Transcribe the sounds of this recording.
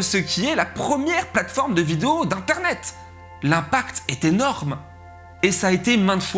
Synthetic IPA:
səkʲiɛlapχəmjɛʁplat̪fɔʁmd̪əvid̪eod̪ɛ̃t̪ɛʁnɛt̪ | lɛ̃pakt̪ɛt̪enɔʁm | esaːet̪emɛ̃t̪f

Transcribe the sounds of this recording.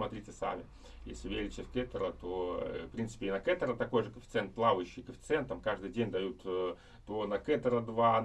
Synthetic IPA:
mɐt̪ɾʲitʲɪsa̰mʲɪ | jḛsʲlʲɪvʲeɾʲɪt͡ɕʲəfʲkɛt̪əɾət̪ofpɾʲinsɨ̥pʲɪɪnɐkɛt̪əɾət̪ɐko̞jʐɨkəfʲɪ̥t̪sɛnt̪̚plˠavəjʉɕːɪjkəfʲɪ̥t̪sɨɛnt̪ːəmkaʐd̪ɨjdʲenʲd̪ɐjut̪ː | t̪onɐkɛt̪əɾəd̪va

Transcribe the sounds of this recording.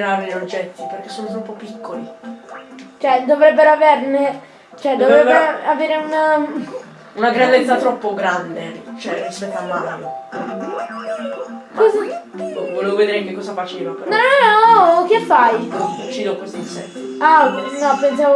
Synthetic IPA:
ɾaviɾeod͡ʒːɛt̪ːiperk̟esːoːnot̪ɾɔpːopːikːoli | t͡ʃoɛd̪ovɾɛbːeɾoaverne | t͡ʃoɛd̪ovɾɾɛbːeɾaveːɾeun | unaɡɾand̪et̪sːat̪ɾɔpːoɡɾand̪et͡ʃoɛrispɛt̪ːoamːano | kɔzavolevoved̪eɾaŋkekːɔːzafat͡ʃeːvapeɾnɔ | okːeafːajut͡ʃːiːd̪okosinsɛ̰nt̪ianɔpens̬avo

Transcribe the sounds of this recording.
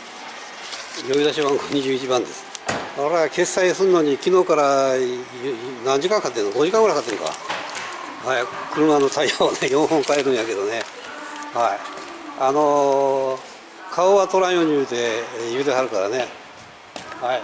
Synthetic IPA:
joid̪aɕiβãŋɡoɲ̟iʑɨːit͡ɕibãnd̪e̞sɨ̥oɾeake̞sːaisɨɾɯno̞ɲ̟ikʲino̞ːkaɾa | nãɲ̟d͡ʑikãŋkat̪ːenoɡo̞ʑikãŋɡɯɾahkat̪ːeŋka̰a̰ | hajakɯ̟ɾɯ̟mano̞t̪aihoβane̞jõ̞ɰ̃hõŋkae̞ɾɯ̟̃ɰ̃jake̞d̪o̞ne | haiano | kʰaoβat̪o̞ɾãɰ̃joɲ̟ijɯːt̪e̞jɯːd̪eɦaɾɯ̟kaɾa̰ne̞ | hai

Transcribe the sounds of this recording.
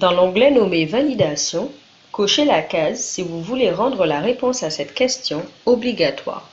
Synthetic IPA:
d̪ɑ̃lɔ̃ɡlɛnɔmevalid̪asjɔ̃ | koʃelakazsivuvuleʁɑ̃d̪ʁəlaʁepɔ̃sasɛt̪kʲɛst̪jɔ̃ɔbliɡat̪wa̰ːʁ

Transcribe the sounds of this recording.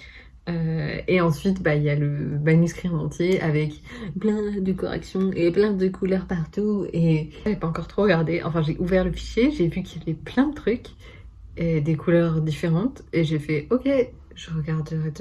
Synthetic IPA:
øeɑ̃sɥit̪bailjaləmanyskχĩɑ̃t̪jeavɛkplɛ̃d̪əkɔ̰ʁɛ̰ksjɔ̃ʔeplɛ̃d̪əkʰulœʁpaʁt̪ue | avɛpaɑ̃kɔʁt̪χoʁəɡaʁd̪eʔɑ̰̃fɛ̃ʒeʔuvɛʁləfi̥ʃjeʒevykʲiljavɛplɛ̃d̪ət̪χyk | ed̪ekʰulœʁd̪ifeʁɑ̃t̪eʒefɛʔɔkʲe | ʒəʁəɡaʁd̪əʁɛt̪

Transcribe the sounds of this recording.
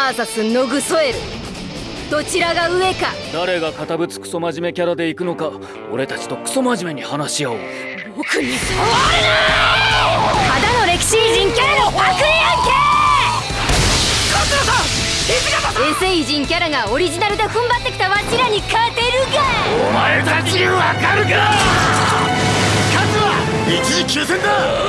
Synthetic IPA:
asasɨno̞ɡɯ̟so̞e̞ɾɯ̟ | d̪̥o̞t͡ɕiɾaɡaɯ̟e̞kad̪aɾe̞ɡakat̪abɯ̟t͡sɨ̥kɯ̟̥so̞maʑime̞kʲaɾad̪e̞ikɯ̟no̞ka | o̞ɾe̞t̪at͡ɕi̥t̪o̞kɯ̟̥so̞maʑime̞ɲ̟ihanaɕiao | bokɯɲi | had̪ano̞ɾe̞kʲi̥ɕiʑĩŋkʲaɾanot̪akɯ̟ɾiakʲe | kasɨɡasaesɡasaẽɰ̃se̞ːiʑĩŋkʲaɾaɡao̞ɾʲiʑinaɾɯ̟d̪e̞ɸɯ̟̃mbat̪ːe̞kʲi̥t̪aβat͡ɕiɾaɲ̟ikaet̪e̞ɾɯ̟ɡaomaet̪akʲiɾeβakaɾɯ̟ka | kazɨβa | it͡ɕizikʲɨːsẽnd̪a

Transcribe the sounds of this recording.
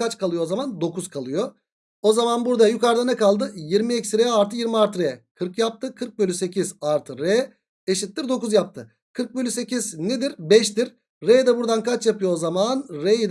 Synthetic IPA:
at͡ʃkʰalˠɯjoozamand̪o̞kuz̥kʰalˠɯjo | ozamanbuɾd̪ajykaɾd̪anɛkalˠd̪ɯjiɾmiɛcsɾejɛaɾt̪ʰɯjiɾmiaɾt̪ɾejɛkʰɯɾkjap̚t̪ʰɯkʰɯɾk̚bølʲyse̞cʰizaɾt̪ʰɯɾɛ | eʃit̪ʲːiɾd̪o̞kuzjap̚t̪ʰɯ | kʰɯɾk̚bølʲyse̞cizned̪iɾbɛʃt̪iɾ | ɾejd̪ɛbuɾd̪ankʰat͡ʃjapɯjoozamanɾejid̪

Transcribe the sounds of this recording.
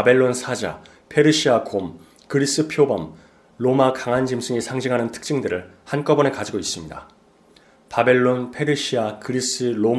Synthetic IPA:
abe̞ɭːonsʰad͡ʑa̰ | pʰe̞ɾɯɕʰiakʰom | kɯɾis͈ɯpʰjobʌm | lomakaŋand͡ʑimsʰɯŋisʰaŋd͡ʑiŋɦanɯntʰɯ̥k̚t͡ɕ͈ɯŋdɯɾɯɭhank͈ʌbʌnekad͡ʑiɡois͈ɯmɲida | pabe̞ɭːonpʰe̞ɾɯɕʰiakɯɾis͈ɯɾo

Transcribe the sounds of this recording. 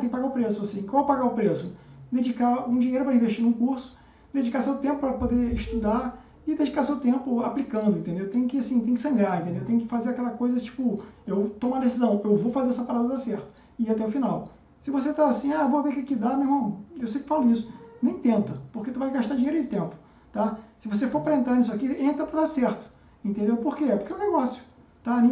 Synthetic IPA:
ẽkɪpaɡaʊpɾesʊasĩʒ̃kõw̃ɛwpaɡaʊpɾesʊd̪ed͡ʒikaũd͡ʒiɲejɾʊpɾɐĩveʃt͡ʃinũkuɾsʊ̥ | d̪ed͡ʒikasewt̪ẽpʊpɾɐpod̪eɪʃt̪ud̪a | ɪd̪ed͡ʒikasewt̪ẽmpʊaplikɐ̃nd̪ʊẽnt̪ẽnd̪ewt̪ẽɲ̃jʊkɪasĩt̪ẽj̃ʊkɪ̥sɐ̃ŋɡɾaɾẽnt̪ẽnd̪ewt̪ẽɲ̃jʊkɪ̥fazeɾakɛlɐkojzɐt͡ʃi̥pʊewt̪õmũɐd̪esizɐ̃w̃ewvowfazeɾɛsɐpaɾad̪ɐd̪asɛɾt̪ʊ̥ | ɪat̪ɛʊfinaw | sɪvoset̪aːsĩaewvoaveɾkɪkɪd̪amehmɐ̃ewsejkɪ̥falʊisʊ̥nẽj̃t̪ẽnt̪ɐpoɾket̪uvajɡaʃt̪aɾd͡ʒĩɲejɾʊd͡ʒɪt̪ẽmpʊ̥ | t̪asɪvos̬efoɾpɾɐẽnt̪ɾaɾnis̬ʊakiẽnt̪ɾɐpɾɐd̪aɾsɛɾt̪ʊ̥ | ẽnt̪ẽnd̪ewpoɾkeɛpoɾkɛw̃neɡɔsjʊ̥ | t̪anẽ

